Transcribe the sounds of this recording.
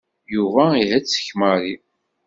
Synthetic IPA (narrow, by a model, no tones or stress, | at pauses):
juvæiɦæt͡st͡sːə̥çmaɾi